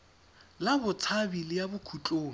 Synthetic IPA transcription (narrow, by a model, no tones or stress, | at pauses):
labʊt͡sʰabilɪjabʊkʰut͡ɬʼoːŋ̩